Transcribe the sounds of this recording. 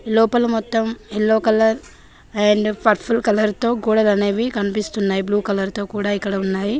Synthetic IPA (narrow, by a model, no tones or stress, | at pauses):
lɔːpɐlɐmɔt̪ːɐmelːoːkɐlɐɾ | eɳɖpʰɐɾʈpʰulkɐlɐɾt̪o̞ːkuːɽɐlɐneːʋikɐnipist̪unːaːjibluːkɐlɐɾt̪o̞ːkuːɽaːikːɐɽɐunːaːji